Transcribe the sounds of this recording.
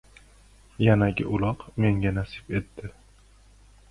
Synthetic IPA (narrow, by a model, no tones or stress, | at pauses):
janaɡʲɪ̰ʔʊlˠɒqme̞ŋɡʲanasɪbe̞t̪ːɪ